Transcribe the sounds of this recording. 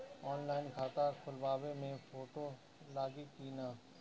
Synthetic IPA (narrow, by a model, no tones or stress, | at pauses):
ɔːnlaːɪnkʰaːt̪akʰʊlʋaːʋemẽfʰoːʈoː | laːɡikiːnaː